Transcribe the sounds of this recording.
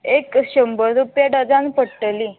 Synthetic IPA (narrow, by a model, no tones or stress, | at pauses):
ekɕəmbəɾupjaɖad͡zãnpəɽʈəli